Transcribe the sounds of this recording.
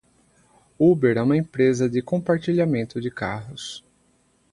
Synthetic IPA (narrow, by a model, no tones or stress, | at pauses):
ubeɾɛũmɐẽpɾezɐd͡ʒɪkõpaɾt͡ʃiʎamẽnt̪ʊd͡ʒɪkaɦʊs